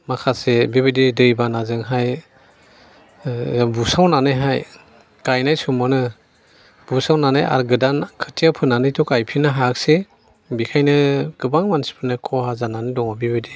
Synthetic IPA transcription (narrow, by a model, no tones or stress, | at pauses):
makʰasebibididɯjbanazɯŋɦaj | busawnanɯjɦaj | kajnajsumɔnɯ | b̥usawnana̰ja̰ɾɡɯdankʰɯtʰiapʰɯnːanɯjtʰɔkajpʰinɯɦaak̚se | bikʰajnɯɡ̥ɯbaŋmansi̥pʰɯnɯkʰɔhazananɯdɔŋabibide